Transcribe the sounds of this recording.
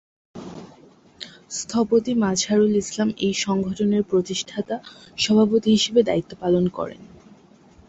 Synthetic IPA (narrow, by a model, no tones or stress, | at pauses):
st̪ʰɔpot̪imad͡ʑʱaɾulislamejʃɔŋɡʱɔʈʰoneɾpɾot̪iʃʈʰat̪aʃɔbʱapot̪iɦiʃebed̪a̰it̪ːopalonkɔ̰ɾḛn